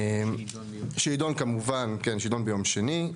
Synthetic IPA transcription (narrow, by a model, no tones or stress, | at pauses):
ʃiːdonkamuvankenʃidonbejo̞mʃeni